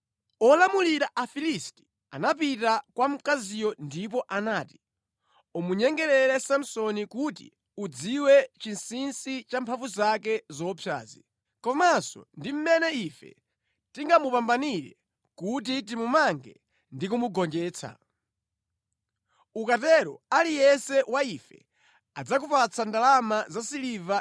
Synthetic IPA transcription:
ɔlamuliɾaʔafilisti̥ | anap̬itakwam̩kazijɔndip̬ɔʔanaːti̥ | ɔmuɲɛŋɡɛɾɛɾɛsam̩sɔnikutḭ | ud͡ziwɛt͡ʃinsinsit͡ʃampʰaɱvuzakɛzɔpʰja̰ːzi | kɔmasɔ̰ndim̩mɛnɛifɛ̰ | tiŋɡamupambaniɾɛ̰ | kut̬it̬imumaŋɡɛ | ndikumuɡɔnd͡ʒɛːt͡sʰa̰ | ukatɛɾɔ̰alijɛsɛwaifɛ̰ | ad͡zakupat͡sʰandalamazasiliva

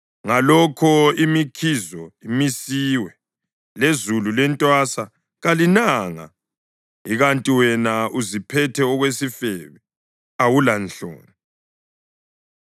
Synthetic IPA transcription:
ŋalɔkʰɔimikʰizɔimisiwɛ | lezululɛntʼwasa | ɣalinaŋa̰ | iɣantʼiwɛnauzipʰɛtʰɛɔɣwesifɛβɛ | awulanɬo̰ːni

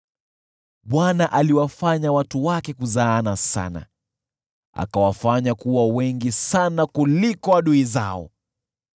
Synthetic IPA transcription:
ɓwanaʔaliwafaɲawatuwakɛkuzaːnasa̰na̰ | a̰kawafaɲakuwawɛŋɡisanakulikɔaɗuiza̰ɔ̰

